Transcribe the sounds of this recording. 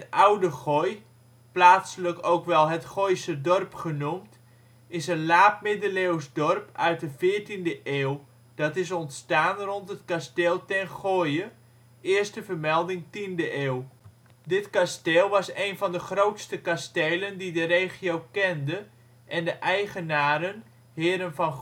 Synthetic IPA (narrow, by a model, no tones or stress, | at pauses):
ətawdəχoj | plaːtsələkowkʋɛlˠɦətχojsədɔrpχənumt | ɪsənlaːp̚mɪdəlewsdɔrpœ̰ɥt̚dəvɪːrtindəʔeːw | d̥ɑtɪs̬ɔntstaːnrɔntɦətkasteːlˠtɛnχoːjə | ɪərstəfərmɛlˠdɪŋtindəʔeːw | dɪtkasteːlˠʋɑsejnvɔndəχrowtstəkastejləndidəɾejχijowkɛndə | ʔɛndəʔɛjχənaːɾən | hɪːɾənfɔn